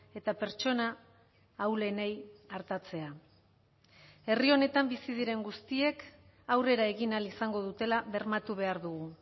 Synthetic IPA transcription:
e̞t̪ape̞ɾt͡ʃo̞naː | wle̞nejaɾt̪at͡se̞a | e̞rio̞ne̞t̪ambisið̞iɾe̞ŋɡust̪ie̞k | awre̞ɾae̞ɣinalisaŋɡo̞ð̞ut̪e̞laβe̞ɾmat̪uβ̞e̞aɾðuɣu

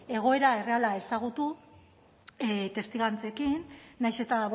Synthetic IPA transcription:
e̞ɣ̞o̞e̞ɾae̞re̞alae̞saɣ̞ut̪u | t̪e̞st̪iɣant͡se̞kinːajse̞t̪aβ

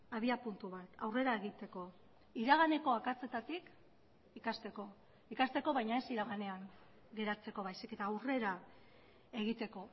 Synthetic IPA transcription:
aβ̞iapunt̪uβat̪awre̞ɾaeɣit̪e̞ko̞ | iɾaɣ̞ane̞ko̞akat͡se̞t̪at̪ik | ikast̪e̞ko̞ | ikast̪e̞ko̞βajɲae̞siɾaɣane̞aŋ | ɡe̞ɾat͡se̞ko̞βajsike̞t̪aːwre̞ɾa | e̞ɣit̪e̞ko̞

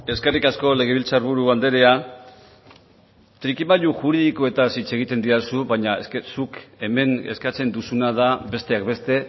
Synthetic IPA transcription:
e̞ske̞rikasko̞le̞ɣeβilt͡saɾβuɾuand̪e̞ɾe̞a | t̪ɾikimaʎuʝuɾiðikoe̞t̪asit͡se̞ɣ̞it̪e̞nd̪iɾasuβaɲaeskesuke̞me̞ne̞skat͡se̞nd̪usunað̞abe̞st̪e̞akbe̞st̪e̞

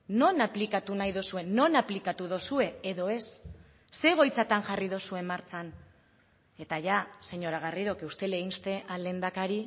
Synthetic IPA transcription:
no̞naplikat̪unajðosue̞no̞naplikat̪uð̞osue̞eðo̞e̞sː | e̞ɣ̞o̞jt͡sat̪anʝarið̞osue̞maɾt͡san | e̞t̪aʝase̞ɲo̞ɾaɣ̞ariðo̞keust̪e̞leɣinst̪e̞ʔalend̪akaɾi

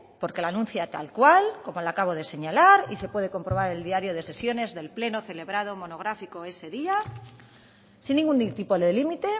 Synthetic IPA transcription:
po̞ɾke̞lanũn̟θjat̪alkwalko̞mo̞lakaβ̞o̞ðe̞se̞ɲalaɾise̞pweð̞e̞ko̞mpɾo̞β̞aɾe̞ld̪iaɾjo̞ð̞e̞se̞sjo̞ne̞zðe̞lple̞no̞θe̞le̞β̞ɾað̞o̞mo̞no̞ɣ̞ɾafiko̞e̞se̞ðia | sinːiŋɡunt̪ipoðelimit̪e̞

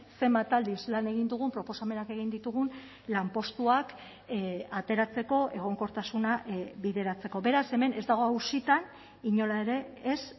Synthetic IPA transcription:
se̞mat̪ald̪islane̞ɣ̞ind̪uɣ̞umpɾo̞po̞same̞nake̞ɣ̞ind̪it̪uɣ̞un | lampo̞st̪uak | at̪e̞ɾat͡se̞ko̞ʔe̞ɣ̞o̞ŋko̞ɾt̪asunaβiðe̞ɾat͡se̞ko̞be̞ɾase̞me̞ne̞zd̪aɣ̞o̞awsit̪an | iɲo̞lae̞ɾe̞ːs

